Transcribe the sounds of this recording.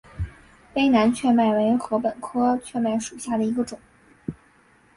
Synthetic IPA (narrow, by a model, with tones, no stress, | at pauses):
pe˥ɪna˧˥nt͡ɕʰɥɛ˥˧ma˥˩ɪwe˧˥ɪxɤ˧˥pə˨˩nkʰɤ˥t͡ɕʰɥɛ˥˧ma˥˩ɪʂu˨˩ɕja˥˩d̪ə˩i˧˥ɡə˧ʈ͡ʂʊ˨˩˦ŋ